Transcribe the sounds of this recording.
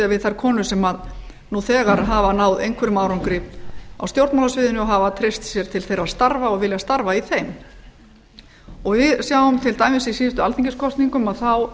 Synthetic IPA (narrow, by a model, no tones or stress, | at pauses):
avɪðθaɾ̥kʰɔːnʏsɛmað | nuθɛːɣaɾɦavanaːwðejŋkʰvɛɾʏmaːwɾawŋkɾipna̰wst̪jowɾt̪mawlasvɪːðɪnʏɔɦavat̪ʰɾejst̪sjɛɾ̥t̪ʰɪlθejɾast̪aɾvaɔɣvɪljast̪aɾvaiθejm | ɔɣvɪðsjaːwʏmt̪ʰɪlt̪ajmɪsisiːðʏst̪ʏa̰lθiɲcɪskʰɔst̪niŋkʏmaðθaw